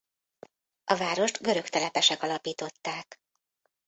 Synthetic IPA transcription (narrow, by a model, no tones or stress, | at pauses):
ʔɒvaːɾo̞ʃt̪ɡø̞ɾø̞kt̪ɛlɛpɛʃɛkɒlɒpiːt̪o̞t̪ːaːk